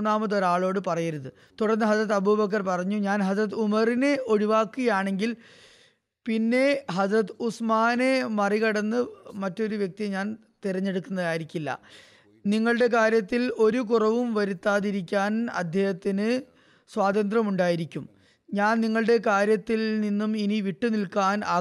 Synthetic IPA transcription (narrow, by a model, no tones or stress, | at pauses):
nːaːmɐðoɾaːɭo̞ːɽɨpɐrɐjɐɾuðɨ | t̪uɽɐrnːɨɦɐdrɐt̪̬ːɐbubɐk̬ːɐrpɐrɐɲːuɲaːnɦɐrɐt̪̬ːumɐrineo̞ɻiʋaːkːɨɣɐjaːɳe̞ŋɡil | pinːe̞ɦɐdrɐt̪ːɨusmaːnemɐriɣɐɽɐnːɨmɐtːo̞ɾuʋjɐk̚t̪iɲaːn | t̪iɾɐɲːe̞ɽukːunːɐðaːjiɾikʲːilːɐ̰ | niŋːɐɭɨɽe̞k̬aːɾjɐt̪ːilo̞ɾuk̬urɐʋumʋɐɾut̪ːaːðiɾikʲːaːnɐ̰d̪ʱjehɐt̪ːinɨ | swaːd̪ɐnd̪rɐmuɳɖaːjiɾikʲːum | ɲaːnniŋːɐɭɨɽe̞kaːɾjɐt̪ːilninːuminiʋiʈːunilkaːnaː